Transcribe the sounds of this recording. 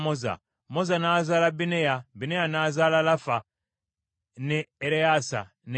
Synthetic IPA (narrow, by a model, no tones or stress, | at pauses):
moza̰ | mozanaːzaːlabinejabinejanaːzaːlalafa | neːɾeasa̰ | ne